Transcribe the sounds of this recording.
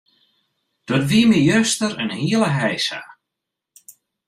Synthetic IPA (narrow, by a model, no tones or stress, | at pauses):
d̥ɔtʋiəmijøstəɾənhiələɦɛjsa̰